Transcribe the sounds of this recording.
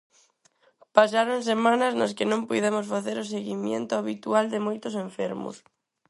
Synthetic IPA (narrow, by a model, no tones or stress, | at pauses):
pasaɾoŋsemãnɐsnaskɪnõmpujðemʊsfaθeɾʊs̬eɣimjḛnt̪ʊaβit̪uald̪ɪmojt̪ʊseɱfeɾmʊ̰s